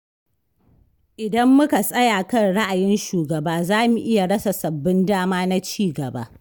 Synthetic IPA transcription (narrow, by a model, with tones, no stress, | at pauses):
ʔɪ˨dɐ˦mːʊ˦ka˨sʼɐ˦jaː˨kɐ˦nɽa˦ʔa˨jɪ˦nʃuː˨ɡɐ˨baː˦zaː˦mu˨ʔɪ˦ja˨ɽɐ˦sa˨sɐ˨bːɪ˦ndaː˦maː˦na˦t͡ʃiː˦˨ɡɐ˨ba̰ː˦